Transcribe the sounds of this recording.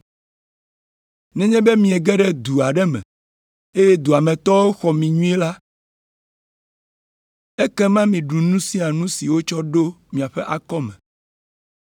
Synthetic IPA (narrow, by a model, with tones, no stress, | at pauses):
nɛ̃˦ɲɛ̃˦be˦mĩ˨ɛ˨ɡɛ˦ɖɛ˦d̪u˨a˨ɖɛ˦mɛ̰̃˨ | e˦jɛ˦d̪u˨a˨mɛ̃˨t̪ɔ˦wo˦xɔ˨mĩ˨ɲũ˦ɛ˦la˦ | e˦kɛ˦mã˦mĩ˨ɖu˨nũ˦si˦a˨nũ˦si˨wo˦t͡ʃɔ˦ɖo˦mĩ˨a˨ɸɛ˦ʔa˦kɔ˦mɛ̰̃˨